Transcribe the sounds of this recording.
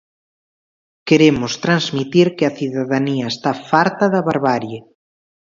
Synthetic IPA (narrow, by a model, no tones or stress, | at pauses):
keɾemʊst̪ɾanzmit̪iɾkeɐθiðaðaniɐest̪afaɾt̪ɐðɐβaɾβaɾje